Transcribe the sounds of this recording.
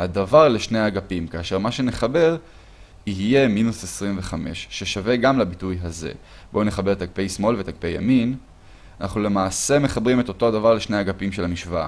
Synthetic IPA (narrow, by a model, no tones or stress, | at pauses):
hadavaʁleʃne̞jhaɡapimkaːʃe̞ʁmaʃe̞ne̞χabe̞ʁ | iɦije̞minusesʁimve̞χame̞̰ʃːeʃave̞ɡamlabitujɦazḛ | bone̞χabe̞et̪ak̚pe̞jsmo̞lvet̪aɡ̚pe̞ja̰min | anaχnule̞maːse̞meχabʁime̞t̪o̞to̞adavaʁleʃne̞jhaɡapimʃe̞lhamiʃva̰